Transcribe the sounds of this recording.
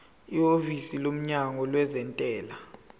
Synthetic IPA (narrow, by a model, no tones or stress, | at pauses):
iovisilom̩ɲaŋɔlwɛzɛntʼɛːla